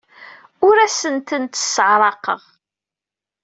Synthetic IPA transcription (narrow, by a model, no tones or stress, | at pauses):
ʊɾæsənt̪ənt̪ə̥səʕɾˤɑqə̰ʁ